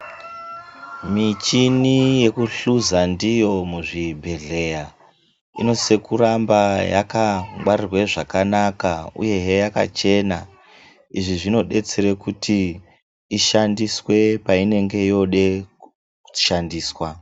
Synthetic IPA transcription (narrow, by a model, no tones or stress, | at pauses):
mit͡ʃinije̞kuɬuzandijo̞muʐibʱe̞ɮe̞ja | ino̞se̞kuɾambaja̰kaŋɡwarirwe̞ʐakanakaṵje̞ɦejaka̰t͡ʃe̞na | iʐiʐino̞ɗe̞t͡seɾe̞kutʰiː | ʃandiswe̞paine̞ŋɡe̞jo̞ɗe̞ | uʃandiːswa